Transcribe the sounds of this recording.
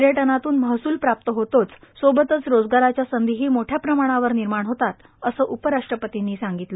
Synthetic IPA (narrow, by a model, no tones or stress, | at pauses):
ɾjeʈənat̪uːnməɦsuːlpɾap̚t̪əɦot̪ot͡ssobət̪ət͡sɾod͡zɡaɾat͡ɕjasənd̪iɦiːmoʈʰjapɾəmaɽ̃aʋəɾniɾmaɳɦot̪at̪ | əsəːʔupəɾaʂʈɾəpət̪inːiːsaŋɡit̪lə